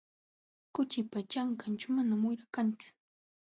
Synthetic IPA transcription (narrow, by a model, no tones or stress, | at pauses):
kʊt͡ʃɪpat͡ʃaŋkant͡ʃaʊmanamʊjɾakant͡ʃʊ̥